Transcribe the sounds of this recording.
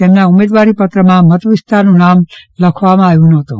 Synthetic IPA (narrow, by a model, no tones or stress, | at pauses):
t̪emnaumed̪ʋaɾipət̪ɾəmãmət̪ʰʋɪst̪ʰanũnamləkʰʋamãaːɦjũnəɦət̪ṵ̃